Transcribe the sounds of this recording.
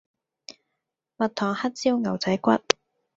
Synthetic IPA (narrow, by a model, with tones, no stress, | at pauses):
mɐ˨t̚t̪ʰɔː˨˩ŋhɐ˥t̚t͡siː˥wŋɐ˨˩wt͡sɐ˨˥jkʷɐ˥t̚